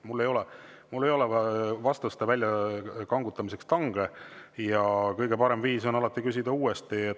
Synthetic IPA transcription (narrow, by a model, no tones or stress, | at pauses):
mulːe̞jo̞lɛ | mulːe̞jo̞lɛvɑst̪ust̪evælʲjɑkɑŋɡut̪ːˑɑmise̞kst̪ɑŋɡ̥e̞jɑkɤjɡ̥e̞pɑɾe̞mviːs̬o̞nɑlɑt̪ˑːikys̬ʲid̪̥ɑuːest̪iet̪